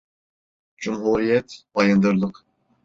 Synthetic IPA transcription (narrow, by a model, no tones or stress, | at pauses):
d͡ʒumɦuɾijɛt̪bɑjɑnd̪øɾlˠəq